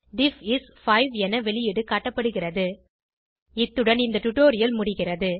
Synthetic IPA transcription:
ɖ̪ɪfɪsfɐɪʋɛnɐʋɛɭɪjɪɽɯkaːʈːɐpːɐɽɯɣɪrɐðɯ | ɪt̪ːɯɽɐnɪnd̪ɐʈ̪ʊʈːoːɾɪjɐlmʊɽɪɣɪrɐðɯ

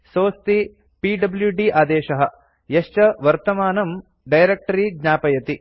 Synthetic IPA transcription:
soːst̪i | piːɖɐbljuɖiʔaːd̪eːʃɐɦɐ̆ | jɐʃt͡ʃɐʋɐɾt̪ɐmaːnɐm | ɖɐjɾek̚ʈɐɾid̪ɲaːpɐjɐt̪i

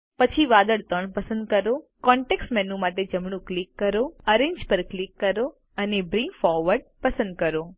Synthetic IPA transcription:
pət͡ʃʰiʋad̪əɭt̪əɳpəsə̃nd̪̚kəɾokɔ̃ɳʈeksʈmɛnũmaʈed͡ʒəmɳ̃ũklikːəɾoəɾẽɲd͡ʒpəɾklikːəɾo | ənebɾĩŋɡfɔɾʋəɾɖ̚pəsə̃nd̪̚kəɾo

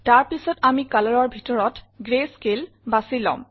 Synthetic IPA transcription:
taɹpisɔtamikalɔɹɔɹbʱitɔɹɔt | ɡɹeskel | basilɔ̰̃m

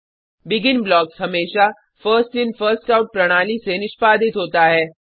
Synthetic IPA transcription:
bɪɡɪnblɔːksɦɐmeːʃa | fəɾsʈɪnfəɾsʈaʊʈ̚pɾɐɽ̃aːlisenɪʃpaːd̪ʱɪt̪ɦoːt̪aɦɛː

